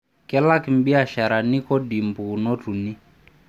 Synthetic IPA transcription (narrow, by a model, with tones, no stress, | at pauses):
kɛ˦la˦ki˨m̩˦bi˦a˨ʃa˨ɾa˨ni˦kɔ˦di˨mbu˨nɔ˦tu˨ni˦